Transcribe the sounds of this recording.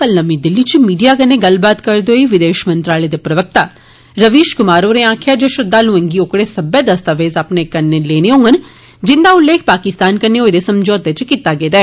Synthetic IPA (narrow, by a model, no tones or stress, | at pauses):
kəlnəmid̪ɪlːiːt͡ʃmiːɖijaːkəneːɡəlbaːt̪kəɾd̪oːiʋɪd̪eːʃmə̃nt̪ɾaːled̪eːpɾəʋək̚t̪aː | ɾəʋiːʃkʊmaːɾoːɾeːãːkʰjaːd͡ʒoʃʊd̪aːlũɛ̃ŋɡiokɽeːsəbeːd̪əst̪aʋeːzapneːkənːeleːneɦõːŋɡən | d͡ʒɪnd̪aːʊlːeːk̚ʰpaːkɪst̪aːnkəneːoːd̪eːsəmd͡ʒɔːt̪et͡ʃkit̪ːaːɡeːd̪aɛː